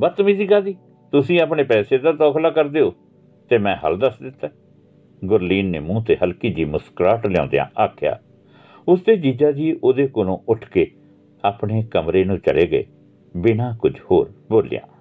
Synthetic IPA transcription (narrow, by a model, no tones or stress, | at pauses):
bət̪ːmiːsikaːd̪iː | t̪ʊsĩːapɳeːpɛːseːd̪aːt̪ɔːkʰlaːkəɾd̪eːoː | t̪eːmɛ̃ːɦə̰ld̪əsd̪ɪt̪ːɛː | ɡʊɾliːnːḛːmũːt̪eːhəlkiːd͡ʒiːmʊskɾaːʈlɛjã̰ːnd̪ḛjã̰ːʔaːkʰja̰ː | ʊsd̪eːd͡ʒiːd͡ʒaːd͡ʒiːʔoːd̪eːkolõːʔʊʈʰkeː | aːpɳeːkəmɾeːnũːt͡ʃə̰ɽeːɡəḛː | bɪnãːkʊd͡ʒho̰ːɾboːlḭjã̰ː